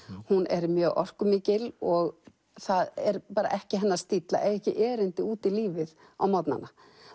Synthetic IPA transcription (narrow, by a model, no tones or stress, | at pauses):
hunʔɛɾmjœːɣʔɔr̥kʏmɪːcɪlɔɣ | θaðɛɾpaːɾa̰ʔɛhcɪɦɛnːast̪it̪la̰ʔɛjɛhcɪʔɛːɾɪnt̪ɪuːt̪iliːvɪð | awmat̪na̰nːa